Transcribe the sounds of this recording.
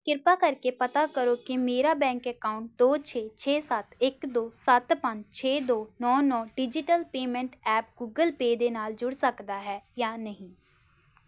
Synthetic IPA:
kɪɾpaːkəɾkeːpət̪aːkəɾoːkɪmeːɾaːbɛ̃ːŋkɛkaːʊɳʈ̚d̪oːt͡ʃʰeːt͡ʃʰeːsət̪ɪkd̪oːsət̪pəɲd͡ʒt͡ʃʰeːd̪oːnɔːnɔːɖɪd͡ʒɪʈəlpeːmɛ̃ɳʈɛːp̚ɡuːɡəlpeːd̪eːnaːld͡ʒʊɽsəkd̪aːɦɛːjaːnəɦĩː

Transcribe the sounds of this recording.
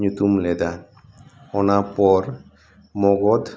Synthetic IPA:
ɲut̪umlɛd̪a | ɔnapɔɾ | mɔɡɔd̪

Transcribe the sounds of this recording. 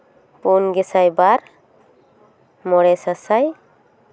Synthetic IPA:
punɡɛsajbaɾ | mɔɽɛsasaj

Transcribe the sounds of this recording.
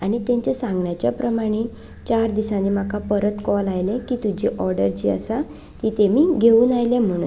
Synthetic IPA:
aɽ̃it̪ẽɲt͡ɕesãŋɡɳjat͡ɕjapɾəmaɽ̃i | t͡ɕaɾd̪isãd̪iːmakʰapəɾət̪kɔlajlẽkiːt̪ud͡ʑiʔɔɾɖəɾd͡ʑiːə̰sa | t̪it̪emiːɡʱeuːnajlẽm̤əɽ̃ṵ

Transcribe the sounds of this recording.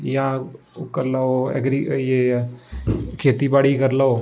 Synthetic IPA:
jãː | kəɾlaoḛɡɾijeː | kʰeːt̪iːbaːɽiːkəɾlaoː

